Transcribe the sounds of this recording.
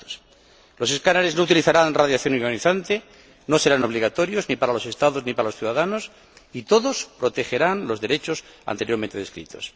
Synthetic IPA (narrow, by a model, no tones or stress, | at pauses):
os | lo̞se̞skanaɾe̞znout̪iliθaɾanraðjaθjo̞nuɾɣaniθant̪e̞ | no̞se̞ɾano̞β̞liɣat̪o̞ɾjo̞znipaɾalo̞se̞st̪aðo̞znipaɾalosθjuðaðano̞s | it̪o̞ðo̞spɾo̞t̪e̞xe̞ɾanlo̞zðe̞ɾe̞t͡ʃo̞sa̰nt̪ejoɾmene̞ðeskɾḭt̪o̞̰s